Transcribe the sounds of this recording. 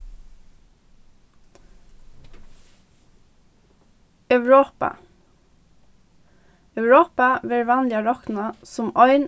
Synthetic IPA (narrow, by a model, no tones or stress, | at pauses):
œʉɹoːpɑ̰ | ɑʉɹoːpɑʋeːɹʋænlɪɑɹɑkn̩ɑsʊmœʏn